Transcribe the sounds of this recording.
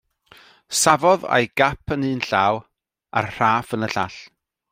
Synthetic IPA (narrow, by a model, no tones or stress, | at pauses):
savɔða̰jɡ̥apʰənɨːnɬaːw | a̰rr̥aːfənəɬaɬ